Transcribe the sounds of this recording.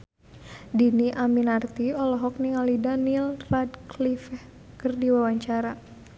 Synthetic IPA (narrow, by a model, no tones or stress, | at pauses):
diniʔaminart̪iɔlɔɦɔk̚niŋalidanilradklifɛh | kərdiwawaɲt͡ʃaɾa